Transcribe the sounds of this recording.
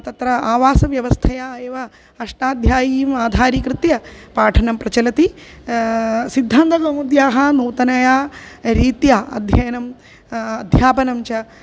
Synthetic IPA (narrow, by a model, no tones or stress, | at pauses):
t̪ɐt̪ɾɐaːʋaːsɐʋjɐʋɐst̪ʰɐjaːeːʋɐ | ɐʂʈaːd̪ʱjaːjiːmaːd̪ʱaːɾikɾɨt̪jɐpaːʈʰɐnɐmpɾɐt͡ʃɐlɐt̪i | sid̪ʱːaːnd̪ɐɡɐmud̪jaːɦɐnuːt̪ɐnɐjaːɾiːt̪jaːɐ̰d̪ʱjɐjɐnɐm | ɐd̪ʱjaːpɐnɐmt͡ʃɐ